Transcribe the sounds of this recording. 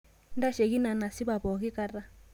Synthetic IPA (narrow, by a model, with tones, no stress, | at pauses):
nda˦ʃɛ˨ɣi˦na˨na˨si˦βa˨βɔ˨ki˦ka˦ɾa˦